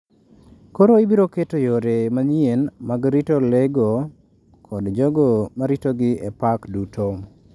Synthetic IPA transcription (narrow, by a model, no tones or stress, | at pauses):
koɾoibiɾoketojoɾemaɲjenmaɡɾitoleɡo | kʰɔdd͡ʒɔɡomaɾitoɡɪepakdutʰo